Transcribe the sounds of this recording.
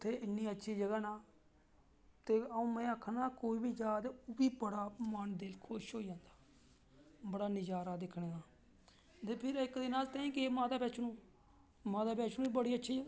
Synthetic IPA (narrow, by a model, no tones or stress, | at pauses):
ʊt̪ʰːeːɪnːiːətːʃʰiːd͡ʒəɡaːnaː | t̪eːəũːmɛ̃ːəkʰːnaːkoːiːbiːd͡ʒaːd̪biːbəɽaːmənd̪eːlkʰʊʃɦoːiːd͡ʒãːnd̪ḁː | bəɽaːnɪd͡ʒaːɾaːd̪ɪkʰːɽeːɡaː | t̪eːpʰɪɾɪkd̪ɪnaːlt̪ẽːĩːkeːmãːd̪aːbɛːt͡ʃʰnũː | mãːd̪aːpɛːt͡ʃʰnũːbəɽiːətːʃʰiːd͡ʒəɡa